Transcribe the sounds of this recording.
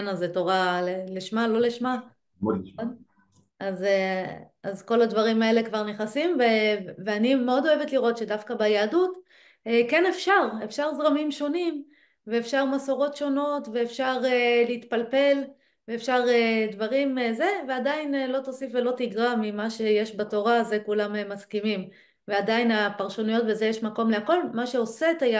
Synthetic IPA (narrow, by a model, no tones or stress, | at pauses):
nazetoʁaleliʃmalo̞leʃma | aze | azko̞lad̪vaʁimae̞le̞kvaʁneχnasimveveanimeo̞d̪o̞evetliʁo̞t̪ʃe̞dafkabajaːdut | ekene̞fʃaʁe̞fʃaʁzʁamimʃo̞nim | veefʃaʁmaso̞ʁo̞tʃo̞no̞tve̞ːfʃaʁeleit̪palpe̞l | veefʃaʁed̪vaʁimze̞veadainelo̞t̪o̞sifvelo̞tiɡʁamimaʃe̞je̞ʃbato̞ʁaze̞kulamemaskimim | veadajinapaʁʃonujo̞tveze̞jeʃmako̞mleako̞lmaʃe̞o̞set̪aja